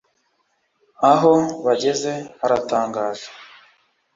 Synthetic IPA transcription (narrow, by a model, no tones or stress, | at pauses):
aɦo̞βaɟe̞ze̞aɾataːŋɡaːʒe̥